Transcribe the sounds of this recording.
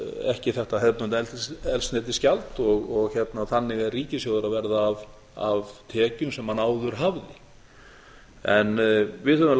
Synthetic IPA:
ɛ̰hcɪθɛht̪aɦɛðpnʏnt̪ɛlt̪ɛlsnɛːt̪̬ɪscalt̪ɔɣɔɣçɛt̪naθanːɪɣɛɾrriːcɪsjowðʏɾavɛɾðaːv | avt̪ʰɛːcʏmsɛmhanaːwðʏɾ̥ɦavðɪ | ɛnvɪðhœvʏml

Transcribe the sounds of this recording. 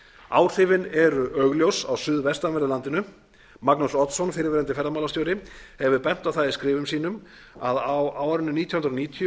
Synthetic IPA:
a̰ːwɾ̥θɪvɪnɛɾʏʔœɣljowsawsʏðvɛst̪avɛɾðʏlant̪ɪnʏ | maknusɔt̪sɔnfɪɾɪɾvɛːɾɛnt̪ɪfɛɾðamaːlast̪joːwɾɪhɛvʏpɛn̥t̪awθaðɪskɾɪːvʏmsiːnʏm | aðawaːwaɾɪnːʏniːjɔhʏnɾniːt̪ʰjʏ

